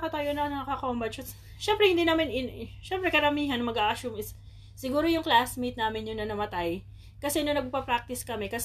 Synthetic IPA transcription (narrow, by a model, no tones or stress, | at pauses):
kɐt̪ajonɐnɐŋɐkakɐʔʊmbɐt͡ʃɐ | ʃɛmpɾɛhɪnd̪inɐmanɪʃɛmpɾɛkɐɾɐmiːɦɐnmɐɡaːʔɐʃumɪsː | ɪɡuːɾojʊŋklasmit̪naːmɪnjʊnɐnɐmɐt̪aj | kɐsɛnonɐɡ̚ppɐpɾak̚t̪ɪskɐmɛkɐs